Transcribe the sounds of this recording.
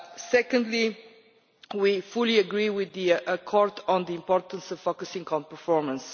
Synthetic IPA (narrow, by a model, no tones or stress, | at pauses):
sɛkə̃ndli | wifulˠiəɡɹiwɪðiəkʰɔɹdn̩ðiɪ̃mpɔɹt̪ə̃n̩sʌv̥fokəsɪ̃ŋkʰɔ̃npə˞fɔɹmə̃ns